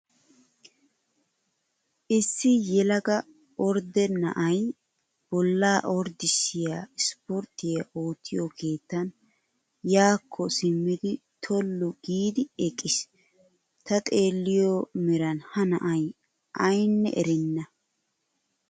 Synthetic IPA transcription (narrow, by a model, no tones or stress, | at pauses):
ʔɪsːɪjɛlɐɡɐ | ɔɾd̪ɛnɐ̰ʔɐj | b̥ɔlːaːʔɔɾd̪ɪsɪjaɪspɔɾt̪ːɪjɐʔo̞ːt̪ʰːɪjɔkʰe̞ːt̪ːɐn | jaːkʰːɔsɪmːɪd̪ɪt̪ʰɔlːʊɡiːd̪ɪɛkʼːɪs | t̪ɐt̪ʼe̞ːlːɪjɔmɛɾɐnhɐnɐ̰ʔɐj | ʔɐjnːɛ̰ʔɛɾɪnːɐ